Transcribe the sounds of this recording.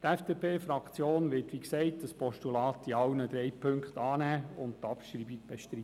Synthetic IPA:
tɛfd̥eːpʰeːfɾɑkt͡sjoːnʋɪtʋiksɛɪt̚d̥əspɔʃtulɑːt̪iɑwnəd̪ɾɛɪpʰɵŋkχtɑːnæːʊnttɑpʃɾiːbib̥eʃtɾi

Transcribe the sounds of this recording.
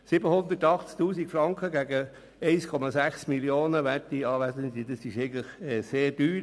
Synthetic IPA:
sɪbəhʊnd̪ətɑχt͡sk̚t̪uːsikfɾɑŋkχəɡæɡə | ɛɪskʰɔmɑsæχsmiljoːnəʋætiɑːʋæsənd̪idɑsɪʃɛɪɡən̩tləχɛseːɾdyːɾ

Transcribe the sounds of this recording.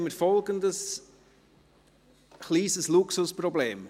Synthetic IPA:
məɾfɔlɡənd̪əs | χliːzəsluksʊspɾɔbleːm

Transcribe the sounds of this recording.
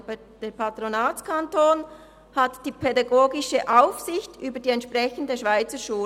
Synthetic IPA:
d̥eːpʰɑt̪ɾonaːt͡skʰantoːn | hɑtd̥iːpʰedɑɡoːɡɪʃəʔaʊfsɪçtʔyːbədiːɛntʃprɛçəndəʃv̥aɪt͡səʃuː

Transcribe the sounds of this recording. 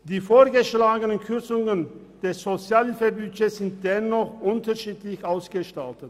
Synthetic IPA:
d̥iːfoːɐɡəʃlaːɡənənkʰʏɐt͡sʊŋən | d̥ɛsz̥ot͡sjaːlifəbyːçəsz̥ɪnt̚d̥ɛnɔχʔʊntɐʃiːtlɪçʔaʊsɡ̥əʃtaltət

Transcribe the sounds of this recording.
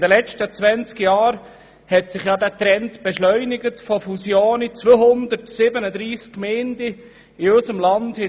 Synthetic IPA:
d̪əlɛt͡ʃtət͡sʋɛnt͡skjɑːɾ | hɛtsɪχjɑːdætɾɛntb̥ɛʃlœʏnɪɡətfɔfusjoːnit͡sʋoːhʊnd̪əɾtsɪbənəd̪ɾiːskːmeːndiː | øsəmlɑndhɛ

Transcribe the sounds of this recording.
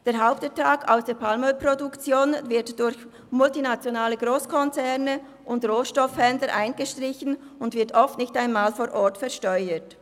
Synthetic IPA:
d̥eːɐɦaʊptɛtʰaːkʰa̰ʊsd̥eːɐpʰalmœpʁodʊkt͡sjoːnvɪɐtd̥ʊɾç | mʊltinat͡sjonaːləɡʁoːskʰɔnt͡sɛʁnə | ʔʊndʁoːʃtɔfhɛndləɾʔaɪnɡ̥əʃtʁ̥ɪçn | ʊndvɪɐtɔftnɪçtaɪnmaːlfoːɾʔɔtfɛɐʃtœʏət

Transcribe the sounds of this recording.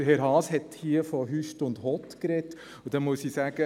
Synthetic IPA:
əɦɛɾɦɑːshɛt̪hiːəfɔɦyʃtʊnd̪hɔt̪kɾɛtː | ud̥̪ɛnmuəsiːsæːɡ̥ə

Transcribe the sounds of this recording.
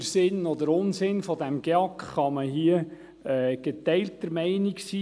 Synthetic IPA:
sɪnɔd̪əɾʊnsɪnfɔd̪æmɡ̥eɑkχχɑməɦiə | ɛːɡ̥et̪ɛɪltəɾmɛɪniksiː

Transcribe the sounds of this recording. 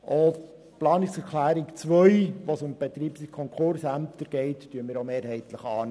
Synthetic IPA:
ʔo | plɑːnɪksɛɾkʰlæːɾikt͡sʋœʏʋosʊmb̥ɛt̪ɾiːpsikʰɔŋkχʊɾsæmt̪əɾɡ̥ɛɪttyːənmɪːɾomeːɾhɛɪtləχɑːn

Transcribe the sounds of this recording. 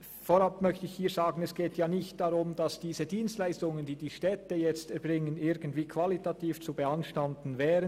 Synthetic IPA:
foɾapmœçtəɪçhiːzaːɡn̩ɛsɡ̥eːtʰjaːnɪçt̚d̥aʁʊmd̥asd̥iːzədiːnstlaɪstʊŋənd̥iːdiːʃtɛtəjɛt͡stɛɐbʁɪŋənɪɡ̥ən̩tv̥iːkʰv̥alitatiːft͡subɛanʃtantn̩vɛːʁən

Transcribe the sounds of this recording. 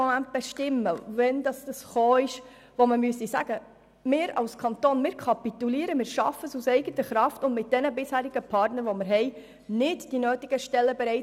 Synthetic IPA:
ɔmænt̚b̥ɛʃtɪmːəʋɛnd̪ɑsd̥ɑsχoːɪʃ | ʋoməmyəsisæ̰ɡ̥ə | mɪːɾɑ̰lskʰɑnt̪oːnmɪːɾkʰɑpit̪uliːəɾəmɪːɾʃɑ̰fəsusɛɪɡət̪əχɾɑftʊndmɪt̚d̥ɛnəbɪshæːɾiɡ̥əpʰɑːrtnəɾʋɔmɪɾɦɛɪ | nɪdd̥inøːtiɡ̥əʃtɛlːəbɛɾɛɪ

